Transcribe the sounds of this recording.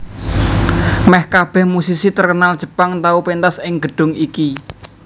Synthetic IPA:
mɛhkab̥ɛ̤hmusisit̪ərkənald̥ʒ̥ə̤paŋt̪aupent̪asɪŋɡə̤ɖ̥ʊ̤ŋiki

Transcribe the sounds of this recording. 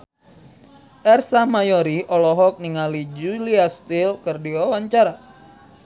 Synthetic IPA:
ʔɛrsahmajoɾiʔɔlɔɦɔk̚niŋalid͡ʒuliast̪ilkərdiawaɲt͡ʃaɾa

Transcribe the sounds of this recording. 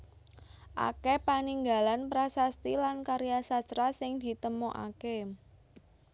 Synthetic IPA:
ʔa̰kepaniŋɡa̤lanpɾasast̪ilankaɾijasast̪ɾasɪŋd̪̥i̤t̪əmoʔa̰ke

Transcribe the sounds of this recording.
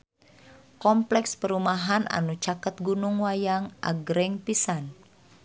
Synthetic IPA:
kɔmplɛkspəɾumaɦana̰nut͡ʃakət̪̚ɡunʊŋwajaŋʔa̰ɡɾɛŋpisan

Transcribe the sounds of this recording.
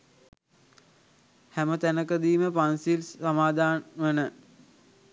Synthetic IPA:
hæmət̪ænəkəd̪iːməpansilːamaːd̪ʱaːnʋənə

